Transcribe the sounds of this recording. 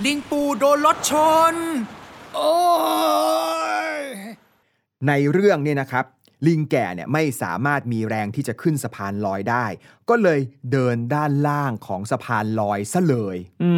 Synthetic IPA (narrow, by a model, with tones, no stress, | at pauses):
li˧ŋpuː˧˩doː˧nlo˦˥t̪̚t͡ɕʰo˧n | ʔoː˧˩ | na˧jɾɯ˥˩əŋni˥˩na˦˥kʰɾa˦˥p̚ | li˧ŋkɛ̰ː˨˩nḭ˨˩əma˥˩jsa̰ː˩˦maː˥˩t̪̚miː˧ɾɛː˧ŋt̪ʰiː˥˩t͡ɕa˨˩kʰɯ˥˩nsa˧pʰaː˧nlɔː˧jdaː˥˩j | kɔː˥˩lɤː˧jdɤː˧ndaː˥˩nlaː˥˩ŋkʰɔː˩˦ŋsa˧pʰaː˧nlɔː˧jsa˥˩lɤː˧j